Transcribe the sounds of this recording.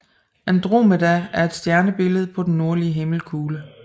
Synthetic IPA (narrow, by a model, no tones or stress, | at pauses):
ænd̥ʁo̝̰ːmədææɐe̝d̥sd̥jæɐnəb̥e̝ləð̞̩ˠpʰɒ̽d̥en̩ːo̝ɐliəɦe̝ml̩kʰuːlə